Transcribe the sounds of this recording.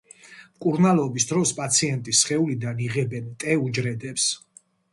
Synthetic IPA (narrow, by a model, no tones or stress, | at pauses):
mkʼuɾnalˠɔbisd̪ɾɔspʼat̪sʰiɛnt̪ʼisχɛulid̪aniʁɛbɛnt̪ʼɛud͡ʒɾɛd̪ɛps